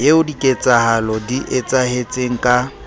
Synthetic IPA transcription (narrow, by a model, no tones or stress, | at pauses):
jeʊdikʼet͡sʼahalɔdiʔet͡sʼahet͡sʼeŋ̩kʼa